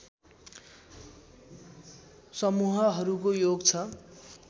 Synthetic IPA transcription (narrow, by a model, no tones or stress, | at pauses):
sʌmuɦʌɦʌɾukojoɡt͡sʰʌ